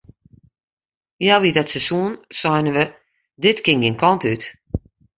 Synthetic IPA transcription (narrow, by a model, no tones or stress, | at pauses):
jaʋidɔtsəsuənsɔjnəʋə | dɪtkɪŋɡenkʰɔntyt